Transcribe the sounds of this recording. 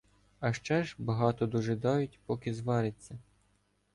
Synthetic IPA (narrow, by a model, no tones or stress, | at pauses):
ɐʃt͡ʃɛʒbɐɦɑt̪ɔd̪uʒɪd̪ɑjʊtʲpɔkɪzʋɑɾɪt͡sʲːɐ